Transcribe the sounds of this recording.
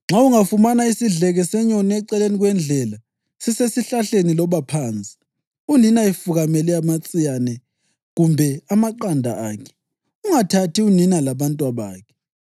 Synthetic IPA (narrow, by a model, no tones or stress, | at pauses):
ŋ͡ǁʱauŋafumanaisiɮɛɣɛsɛɲɔniɛǀɛleniɣwɛnd͡ɮʱɛla | sisesiɬaɬenilɔβapʰaːnt͡sʼi̥ | uninaifuɣamɛlɛamat͡sʼijanɛ | ɣumbʱɛamaǃandʱaaːkʰɛ̥ | uŋatʰatʰiuninalaβantʼwaβaːkʰɛ̥